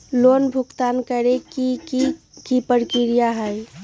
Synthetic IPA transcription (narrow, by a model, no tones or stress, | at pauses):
lonbʱukt̪ankəɾekii | kipəɾkiɾijaɦəj